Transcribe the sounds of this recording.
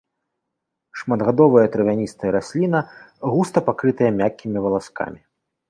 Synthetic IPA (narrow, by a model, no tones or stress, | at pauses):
ʂmɐd̪ɣad̪ɔvɐjɐt̪ɾɨvʲanʲist̪ɐjɐɾasʲlʲinɐɣust̪ɐpakɾɨt̪ɐjɐmʲakʲːimʲivɐlˠaska̰mʲi